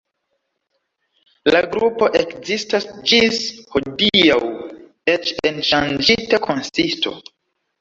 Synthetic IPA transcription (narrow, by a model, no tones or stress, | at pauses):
laɡɾupo̞ʔekzistasd͡ʒishodiaw | et͡ʃenʃand͡ʒitakʰo̞nsisto̞̰